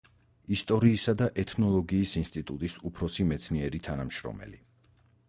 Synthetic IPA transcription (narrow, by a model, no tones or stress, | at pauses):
ist̪ʼɔɾiːsad̪aʔɛt̪ʰnɔlˠɔɡiːsinst̪ʼit̪ʼut̪ʼisupʰɾɔsimɛt̪sʰniɛɾit̪ʰanamʃɾɔ̰mɛ̰li